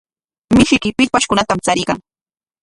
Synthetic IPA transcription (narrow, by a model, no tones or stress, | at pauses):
mɪʃɪkɪpɪʎpaʃkʊnat̪amt͡saɾɪɢɑŋ